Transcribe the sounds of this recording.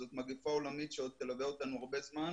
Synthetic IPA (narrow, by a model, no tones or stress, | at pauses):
zot̪maɡifao̞lamit̪ʃeo̞d̪̚t̪elaveo̞t̪anuaʁbe̞zman